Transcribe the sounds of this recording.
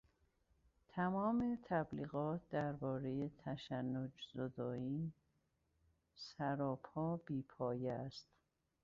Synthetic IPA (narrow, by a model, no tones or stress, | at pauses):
t̪ʰæmɒːme̞t̪ʰæbliːɣɒːt̪̚d̪æɾbɒːɾejet̪ʰæʃænːod͡ʒz̥od̪ɒːiːn | sæɾɒːphɒːb̥iːpʰɒːjeæst̪